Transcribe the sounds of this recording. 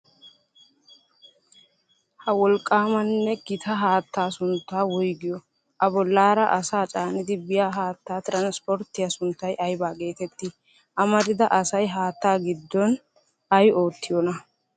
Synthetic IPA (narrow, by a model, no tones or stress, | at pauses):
hɐwɔlkʼːaːmɐnːɛɡɪt̪ʰɐɦaːt̪ːaːsʊnt̪ːaːwɔjɡɪjɔ | ʔɐbɔlːaːɾɐʔɐsaːt͡ʃʼaːnɪd̪ɪbɪjaːɦaːt̪ːaːt̪ɪɾɐnspɔɾt̪ːɪjɐsʊnt̪ːɐjʔɐjbaːɡe̞ːt̪ɛt̪ːi | ʔɐmɐd̪ɪd̪ɐʔɐsɐjɦaːt̪ːaːɡɪd̪ːɔn | ɐjo̞ːt̪ːɪjɔnɐ